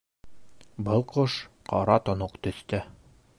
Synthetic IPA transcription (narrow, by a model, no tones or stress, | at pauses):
bɤlˠqʰɤʃ | qʰɒɾɑt̪ŏnoqt̪ɵ̆θt̪ɘ